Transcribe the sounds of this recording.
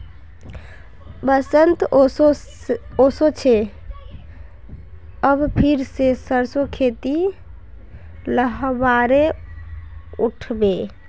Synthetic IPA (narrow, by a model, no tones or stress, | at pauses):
bəsənt̪o | osot͡ʃʰe | əbpʰiɾsesəɾsokʰet̪i | ləɦbaɾe | uʈʰbe